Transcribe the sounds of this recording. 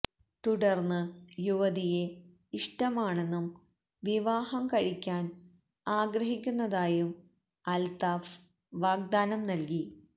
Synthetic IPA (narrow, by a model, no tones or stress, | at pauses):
t̪uɽɐrnːɨjuʋɐðije̞ | iʂʈɐmaːɳe̞nːum | ʋiʋaːhɐmkɐɻikʲːaːn | aːɡɾɐɦikʲːunːɐðaːjum | ɐlt̪aːf | ʋaːɡ̚d̪aːnɐmnɐlki